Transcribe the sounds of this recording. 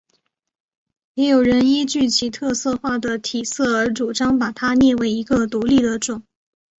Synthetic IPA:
jɛ˧˥jo˨˩ʊɻə˧˥ni˥t͡ɕy˥˩t͡ɕʰi˧˥t̪ʰɤ˥˧sɤ˥˧xwa˥˩d̪ə˩t̪ʰi˨˩sɤ˥˩ə˧˥ʈ͡ʂu˨˩ʈ͡ʂɑ˥ŋpa˨˩t̪ʰa˥njɛ˥˩we˧˥ɪi˧˥ɡə˧t̪u˧˥li˥˩d̪ə˩ʈ͡ʂʊ˨˩˦ŋ

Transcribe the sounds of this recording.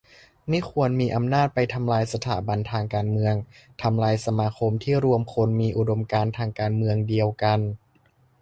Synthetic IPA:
ma˥˩˨kʰu˧ənmiː˧ʔa˧mnaː˥˩t̪̚pa˧jt̪ʰa˧mlaː˧jsa˧t̪ʰa̰ː˨˩˦ba˧nt̪ʰaː˧ŋkaː˧nmɯ˧əŋt̪ʰa˧mlaː˧jsa˧maː˧kʰo˧mt̪ʰiː˥˩ɾu˧əmkʰo˧nmiː˧ʔu˧do˧mkaː˧nt̪ʰaː˧ŋkaː˧nmɯ˧əŋdi˧əwka˧n

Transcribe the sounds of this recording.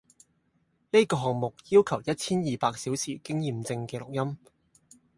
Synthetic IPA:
ne˥jkɔː˧ɦɔː˨ŋ̚mʊ˨k̚jiː˥wkʰɐ˨˩wjɐ˥t̚t͡sʰiː˥njiː˨paː˧k̚siː˨˥wsʰiː˨˩kɪ˥ŋjiː˨mt͡sɪ˧ŋkɛː˧lʊ˨k̚jɐ˥m

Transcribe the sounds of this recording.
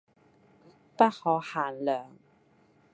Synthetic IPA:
pɐ˥t̚hɔː˨˧haː˨˩nlœː˨˩ŋ

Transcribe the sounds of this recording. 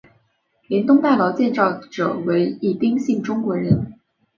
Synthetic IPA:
ljɛ˧˥nt̪ʊ˥ŋt̪a˥˩lɑ˧˥ʊt͡ɕjɛ˥˧nt͡sɑ˥˩ʊʈ͡ʂɤ˨˩we˧˥ɪi˥˩t̪i˥ŋɕi˥˩ŋʈ͡ʂʊ˥ŋkwɔ˧˥ɻə˧˥n

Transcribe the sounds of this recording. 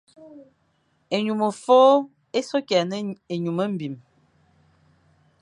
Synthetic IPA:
e˨ɲu˨mə˨foː˦ | e˦so˦kɛ˨nə˦e˨ɲu˨mə˦m̩˦bi˨m

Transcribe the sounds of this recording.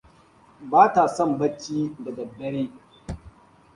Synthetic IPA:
baː˦ta˨sɔ˦˨mbɐ˦t͡ʃːiː˦da˨dɐ˨bːɐ˦ɽeː˦

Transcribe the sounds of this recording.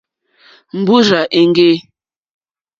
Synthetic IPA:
m̩˨bu˦ɾa˨ʔe˨ŋ˦ɡe˦

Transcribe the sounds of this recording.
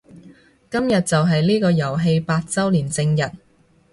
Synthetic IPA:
kɐ˥mjɐ˨t̚t͡sɐ˨wɦɐ˨jliː˥kɔː˧jɐ˨˩wɦe˧jpaː˧t̚t͡sɐ˥wliː˨˩nt͡sɪ˧ŋjɐ˨t̚

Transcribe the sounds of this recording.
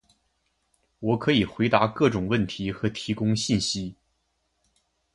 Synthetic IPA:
wɔ˨˩˥kʰɤ˧˥i˨˩xwe˧˥ɪt̪a˧˥kɤ˥˩ʈ͡ʂʊ˨˩ŋwə˥˩nt̪ʰi˧˥xɤ˧˥t̪ʰi˧˥kʊ˥ŋɕi˥˩nɕi˥

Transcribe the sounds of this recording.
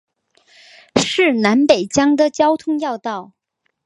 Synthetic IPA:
ʂɻ̩˥˩na˧˥npe˨˩ɪt͡ɕjɑ˥ŋd̪ə˨t͡ɕjɑ˥ʊt̪ʰʊ˥ŋjɑ˥˧ʊt̪ɑ˥˩ʊ

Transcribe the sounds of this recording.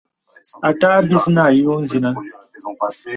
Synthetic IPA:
a˨ta˦bi˦sna˦˨ji˦o˦n̩˦zi˦nã˦

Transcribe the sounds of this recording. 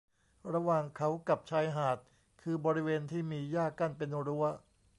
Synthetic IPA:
ɾa˧wa˨˩ŋkʰa˦˥wka˨˩p̚t͡ɕʰaː˧jɦaː˨˩t̪̚ | kʰɯː˧bɔː˧ɾi˦˥weː˧nt̪ʰiː˥˩miː˧jaː˥˩kːa˥˩npe˧nɾu˦˥ɐ

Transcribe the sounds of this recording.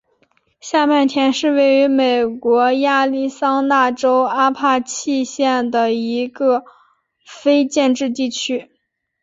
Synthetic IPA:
ɕja˥˧pa˥˩nt̪ʰjɛ˧˥nʂɻ̩˥˧we˥˩ɪy˧˥me˨˩ɪkwɔ˧˥ja˥˧li˥˩sɑ˥ŋna˥˩ʈ͡ʂo˥ʊa˥pʰa˥˧t͡ɕʰi˥˧ɕjɛ˥˩nd̪ə˩i˧˥ɡə˧ | fe˥ɪt͡ɕjɛ˥˧nʈ͡ʂɻ̩˥˧t̪̬i˥˩t͡ɕʰy˥

